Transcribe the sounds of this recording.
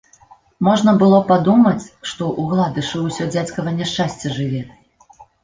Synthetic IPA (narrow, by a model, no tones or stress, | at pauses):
mɔʐnɐbɨlˠɔpad̪umɐt͡sʲʂt̪ɔʔuɣlˠad̪ɨʂɨwsʲɔd͡zʲat͡sʲkɐvɐnʲɛʂt͡ʂasʲt͡sʲɛʐɨvʲɛ